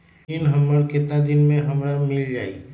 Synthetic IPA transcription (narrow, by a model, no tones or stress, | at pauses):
inɦəmːəɾkɪt̪nad̪ɪnmẽɦɐmɾamɪld͡ʒaːḭ